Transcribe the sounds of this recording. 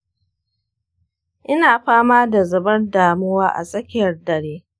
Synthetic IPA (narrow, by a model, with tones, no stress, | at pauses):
ʔɪ˦naː˨ɸaː˦maː˦da˨zɐ˨bɐ˦rdaː˨mʊ˦waː˦ʔa̰˨sʼɐ˦kʲɪ˦˨jɐ˨rdɐ˨ɽeː˦